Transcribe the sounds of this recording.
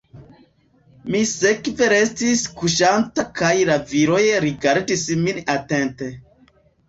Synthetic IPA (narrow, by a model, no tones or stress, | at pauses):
mise̞kve̞ɾe̞stiskuʃantakajlaviɾo̞jeɾiɡaɾdisminate̞nte̞